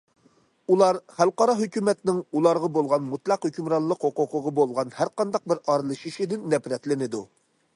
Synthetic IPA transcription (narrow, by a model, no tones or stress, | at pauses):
ulˠɑɾχælˠqɑɾɑɦøkʲymɛt̪nɪŋulˠɑɾʁɑbolˠʁɑnmut̪lˠɑqhøkʲymɾɑnlˠəqoqoqʊʁɑbolˠʁɑnhæɾqɑnd̪ɑq̚bɪɾɑɾɨlˠɨʃiʃid̪ɪnːɛpɾɛt̪lɪnɪd̪u